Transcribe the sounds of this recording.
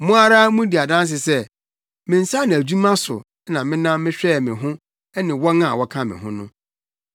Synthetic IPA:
mʊ̃˦a˦ɾa˦mũ˦di˨a˨dã˦ns̬ɪ˨sɛ˦ | mɪ̃˨n̩˨sa˦nɪ̃˨æ˨d͡ʑu˦mã˦sʊ̰˨˦ | nã˨mɪ̃˦nã˦mːɪ̃˦ɕᶣɛ˦˨mɪ̃˨ɦʊ̃˦ | ɛ˦nɪ̃˨wɔ˦nã˦˨wɔ˦kʰã˦mɪ̰̃˨ɦʊ̰̃˦nʊ̃˦

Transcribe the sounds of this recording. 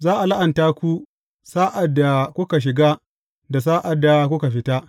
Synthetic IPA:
zaː˦ʔa˨la˦ʔa˨ntaː˦kʷu˦ | saː˦ʔa˨dːa˨kʷʊ˦ka˨ʃ̬ɪ˨ɡa˦ | da˨s̬aː˦ʔa˨dːa˨kʷʊ˦ka˨ɸɪ˦ta˦

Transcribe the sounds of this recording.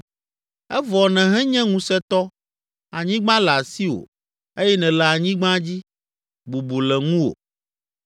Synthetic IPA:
ɛ˦vɔ˨nɛ̃˨ɦɛ̃˦ɲɛ̃˦ŋũ˦sɛ˦t̪ɔ˦ | a˨ɲĩ˦ɡ͡bã˦lɛ˨a˨si˦wo̰˨ | e˦jɛ˦nɛ̃˨lɛ˨a˨ɲĩ˦ɡ͡bã˦d͡ʑi˦ | bu˨bu˨lɛ˨ŋũ˦o̰˨

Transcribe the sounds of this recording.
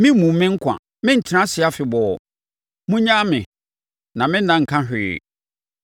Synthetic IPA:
mɪ̃˦mũ˨mːɪ̃˦ŋ̩˦kʰʷã̰˨ | mɪ̃˦n̩˨tʰnã˦sɪ˨˦a˦fɪ˨bɔ˨ɔ˨ | mũ˦ɲã˦mɪ̃˨ | nã˨mɪ̃˦n˦nã˨ŋ̩˨kʰã˦ɦᶣɪ˨ɪ̰˨

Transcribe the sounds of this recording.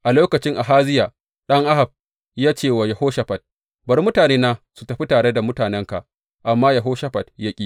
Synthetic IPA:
ʔa˨loː˦kɐ˨t͡ʃɪ˦ŋʔa˨ɦaː˦zɪ˦jaː˨ | ɗɐ˦ŋʔa˦ha˨b̚ | jaː˦t͡ʃeː˦˨wa˨ja˨hoː˦ʃɐ˨ɸɐ˨t̚ | bɐ˨ɾmʊ˦taː˨neː˦naː˦su˨tɐ˨ɸi˦taː˨ɽe˦da˨mʊ˦taː˨nɛ˦ŋka˨ | ʔa˨mːaː˦ja˨ɦoː˦ʃɐ˦ɸɐ˨tja˦kʲʼi˦

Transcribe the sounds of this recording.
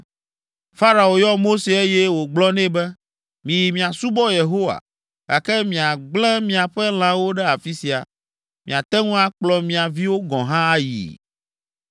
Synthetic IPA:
fa˦ɾa˨o˨jɔ˦mo˦se˨e˦jɛ˦wo˨ɡ͡blɔ˦nɛ̃˦bɛ˦ | mĩ˨ji˨mĩ˨a˨su˦bɔ˦je˨ɦo˦wa̰˨ | ɡ̥a˨kɛ˦mĩ˨a˨ɡ͡blɛ̃˦mĩ˨a˨ɸɛ˦l̃ã˦wo˦ɖɛ˦a˨fi˦si˨a̰˨ | mĩ˨a˨t̪ɛ˦ŋũ˦a˦k͡plɔ˨mĩ˨a˨vi˦wo˦ɡɔ̃˨ɦã˦a˦jḭ˨

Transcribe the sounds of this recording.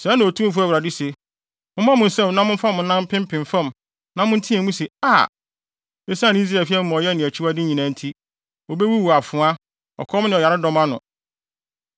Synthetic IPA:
sɛ˨˦nã˨o˨tʰũ˦m˦fu˦æ˦˨wɾa˨dɪ˦se˨ | mʊ̃˦m˦ã˦mʊ̃˨n̩˨sɛ˦˨m˦nã˦mʊ̃˦n˦fa˦mʊ̃˨n̩˦nã˦m̩˦pʰɪ̃˦m˦pʰɪ̃˨ɱ˨fã˦m | nã˦mʊ̃˦n̩˦tʰĩ˦ɛ̃˨mũ˦se˨a˦˨ | e˦sã˦n˨˦i˦s̬ɾa˨fi˦ɛ˦m˦mɔ̃˨jɛ˦nɪ̃˨æ˨t͡ɕʰi˦wa˦dɪ˦ɲĩ˨nã˨˦n̩˦tʰi˦ | o˨be˦wi˦wu˨a˨fʊ̃˨˦a˦ | ɔ̰˨kʰɔ˦mnɪ̃˨ɔ˨ja˨ɾɪ˦dɔ˦mã˦nʊ̰̃˨

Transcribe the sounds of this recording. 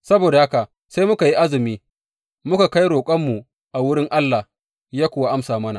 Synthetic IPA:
sɐ˦boː˨da˨ha˦ka˨ | sa˦jmʊ˦ka˨ji˦ʔa˦zɪ˨miː˦ | mʊ˦ka˨ka˦jɾoː˨kʷʼɐ˦mːu˨ | ʔa˨wʊ˦ɽɪ˦ŋʔa˦lːa˨h | jaː˦kʷʊ˨wa˦ʔa˦msaː˨mɐ˦na̰˨

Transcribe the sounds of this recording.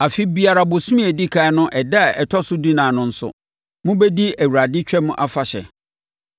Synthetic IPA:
a˨fi˦bi˨a˨ɾa˨bʊ˨sũ˦mĩ˦æ˨di˦kʰa˨˦nʊ̃˦ʔɛ˨da˦˨ɛ̰˨tʰɔ˦sʊ˦di˦nãː˨nʊ̃˦n̩˦sʊ̰˨ | mʊ̃˦be˦di˦æ˨wu˨ɾa˨dɪ˦t͡ɕᶣɛ˦mʊ̃˦ʔa˦fa˨ɕɛ̰˨

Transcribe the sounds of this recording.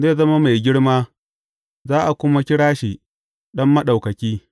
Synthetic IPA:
zeː˦˨zɐ˦ma˦ma˨jɡʲɪ˦ɽmaː˦ | zaː˦ʔa˨kʷʊ˦ma˦kʲɪ˦ɽaː˦ʃiː˨ | ɗɐ˦mːɐ˦ɗa˨wkɐ˨kʲiː˦

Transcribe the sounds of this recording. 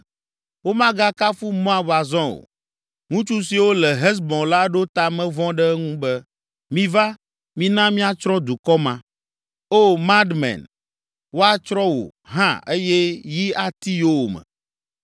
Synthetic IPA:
wo˦mã˦ɡa˦ka˦fu˦mɔ̃˦a˨ba˨zɔ̃˦o̰˨ | ŋũ˦t͡ʃu˦s̬i˨wo˦lɛ˨ɦɛ˦s̬bɔ̃˨la˦ɖo˦t̪a˨mɛ̃˦vɔ̃˦ɖɛ˦ŋũ˦bɛ˦ | mĩ˦va˦ | mĩ˦nã˦mĩ˦a˦t͡ʃɾɔ̃˦d̪u˨kɔ˦mã˨ | o˦mã˦d̪mɛ̰̃˨n | wo˦a˦t͡ʃɾɔ̃˦wo̰˨ɦã̰˦e˦jɛ˦ji˦a˦t̪i˦jo˦wo˨mɛ̰̃˨

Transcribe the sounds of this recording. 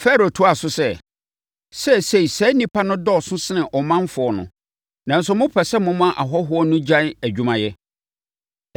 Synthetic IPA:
fɛ˦ɾo˨tʰʊ˦a˨sʊ˦sɛ˦ | sɛ˦˨se˦˨i˨sɛ˦nĩ˦pʰa˦nʊ̃˦dɔ˦˨sʊ̃˦sɪ˦nɪ̃˨ʔɔ˨mã˦m˦fʊ˨ɔ˨nʊ̰̃˨ | nã˨n̩˦s̬ʊ˨˦mʊ̃˦pʰɛ˨sɛ˦mʊ̃˦mã˦ʔa˨ɦɔ˦ɦʊ˦ɔ˦nʊ̃˦d͡ʑã˦æ˨d͡ʑᶣu˨mã˨jɛ˦

